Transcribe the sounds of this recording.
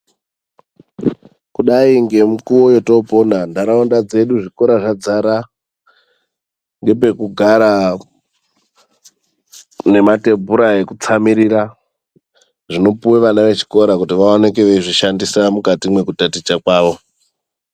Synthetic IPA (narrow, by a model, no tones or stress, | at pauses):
kuɗaiŋɡe̞mukuwo̞jo̞to̞po̞nandaɾaondad͡ze̞ɗuʐiko̞ɾaʐad͡zaɾa | ŋɡe̞p̬e̞kuɡʱaɾa | ne̞mate̞bʱuɾae̞kut͡samiɾiɾa | ʐino̞puweʋanaʋe̞t͡ʃi̥ko̞ɾakutiʋaonekeʋeʐiʃandisamukatimwe̞kutatit͡ʃakwaːʋo̞